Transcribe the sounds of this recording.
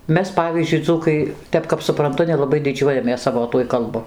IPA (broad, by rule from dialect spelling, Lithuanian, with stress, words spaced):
ˈmʲɛs ˈpɑːʋʲiːzʲd͡ʒʲʊɪ ˈd͡zuːkɐɪ ˈtʲɛp kɐp sʊˈprɐntʊ nʲɛlˠɐˈbɐɪ dʲɪˈd͡ʒʲuɔjɛmʲeːs ˈsɑːʋoː ˈtuɔj kɐlˠˈbʊ